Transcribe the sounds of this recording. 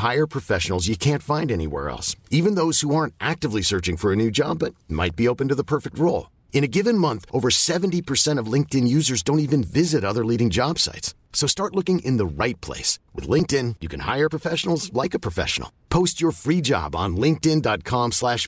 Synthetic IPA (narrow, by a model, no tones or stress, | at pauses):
haɪə˞pʰɹ̥ɨfɛʃn̩l̩ˠzjɨkʰæ̃ntfãɪ̃ndɛnḭwɛ̰ɹɛ̰lˠsivɨ̃nðoʊz̥huɑɹ̃ntʔæk̚tɨvlisɜ˞t͡ʃɪ̃ŋfə˞ɨnʉd͡ʒɑ̰bːʌt̚mʔa̰ɪt̚b̥ioʊpɨ̃ntɨðəpʰɜ˞fɪk̚t̚ɹoʊlˠ | ɨ̃ɾ̃ɨɡɪvɨ̃nmʌ̃nθʔoʊvə˞sɛṽn̩tipʰə˞sɛ̃ɾ̃ʌvlɪ̃ŋk̚tɨ̃njʉzə˞zdõʊ̃ntivɨ̃nvɪzɨɾʌðə˞liɾɪ̃ŋd͡ʒɑb̥sa̰ɪts | oʊstɑɹtˡlʊkɪ̃ŋʔɪ̃nðəɹaɪt̚pʰl̥ḛɪswɨ̰ðlɪ̃ŋk̚tɪ̃njɨkʰɨ̃nha̰ɪə˞pʰɹ̥əfɛʃn̩l̩ˠzlaɪkɨpʰɹ̥əfɛ̰ʃn̩l̩ˠpʰoʊst͡ʃə˞fɹid͡ʒɑ̰b̃n̩lɪ̃ŋk̚tɪ̃ndɑt̚kʰɑ̃mslæʃ